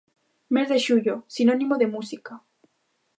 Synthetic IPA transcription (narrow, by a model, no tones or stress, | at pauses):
me̞zðeʃuʝosinonĩmoðemusika